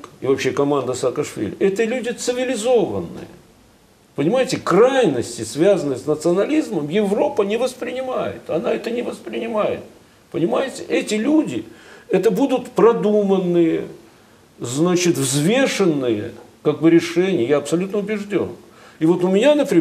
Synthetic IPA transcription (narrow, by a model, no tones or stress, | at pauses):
kɪvɐpɕːe̞kɐmand̪əsaːkɐʂvʲḭlʲɪ̰ʔɛt̪əlʲudʲɪt̪sɨvʲɪlʲɪzo̞və̰nːɨ̰jə̰ | pənʲɪmajɪtʲɪkrajnəsʲtʲɪsvʲazənːəjsnət̪sɨɐnɐlʲizməmjɪvro̞pənʲɪvəspɾʲɪnʲɪmajɪ̰t̪ɐnaɛt̪ənʲɪvəspɾʲɪnʲɪmajɪ̰t̪̚ | pənʲɪmajɪtʲɪʔɛtʲɪlʲudʲɪɛt̪əbud̪ʊt̪pɾɐd̪umənːɨjə | znat͡ɕɪt̪vzvʲe̞ʂənːɨjə̰kaɡ̚bɨɾʲɪʂɛnʲɪjəjaɐpsɐlʲut̪nəʊbʲɪʐdʲo̞̰n | ɪvo̞t̪ʊmʲɪnʲanəpɾʲɪ